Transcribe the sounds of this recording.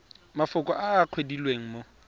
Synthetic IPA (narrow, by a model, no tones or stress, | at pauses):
mafʊkʼɔʔaːq͡χʰwedilweŋ̩mo